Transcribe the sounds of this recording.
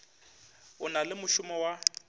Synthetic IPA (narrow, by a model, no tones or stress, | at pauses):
ʊnalɪmʊʃʊmɔwa